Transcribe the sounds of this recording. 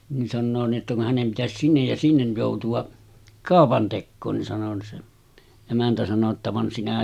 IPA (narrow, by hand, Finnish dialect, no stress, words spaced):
ni sɑnːoː ni ʔetːæ kun hænem pitæsis sinːej jɑ sinːej joˑutuɑ kɑˑopɑntekːoːn ni sɑno se emæntæ sɑno tːɑ ʋɑn sinæ